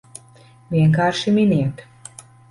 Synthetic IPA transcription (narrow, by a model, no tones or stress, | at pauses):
vʲiɛŋkaːɾʃiminʲiɛt̪